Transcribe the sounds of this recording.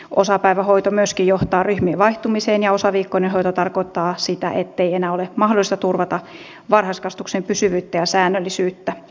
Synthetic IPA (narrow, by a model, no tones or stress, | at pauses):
osɑpæiʋæhoit̪omyøskijjoht̪ɑːryhmieʋɑiht̪umiseːnjɑosɑʋiːkːoinenhojt̪ot̪ɑrkoit̪ːɑːsit̪æ̰ʔet̪ːeienæːolemɑhdolist̪ɑt̪urʋɑt̪ɑ | ʋɑrhɑskɑst̪uksempysyʋyːt̪ːæjɑsæːnːølːisyːt̪ːæ